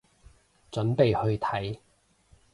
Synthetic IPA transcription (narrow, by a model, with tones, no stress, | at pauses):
t͡sɵ˨˥npe˨jhɵ˧ɥt̪ʰɐ˨˥j